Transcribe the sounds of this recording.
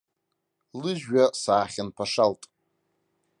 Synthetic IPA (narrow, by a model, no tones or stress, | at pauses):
lɨʒɥasaːχʲanpʰaʂaltʼ